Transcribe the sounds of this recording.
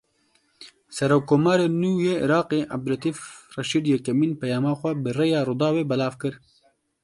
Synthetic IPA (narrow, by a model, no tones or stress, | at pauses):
sɐɾoːkːoːmɑːɾeːnuːjeːʔɪ̰ɾɑːqeːʔa̰b̚d̪ɾɐt̪iːfrɐʃiːd̪jɛkɐmiːnpɛjɑːmɑːxʷɛbɨrejɑːɾʊd̪ɑːweːbɐlɑːvkɨɾ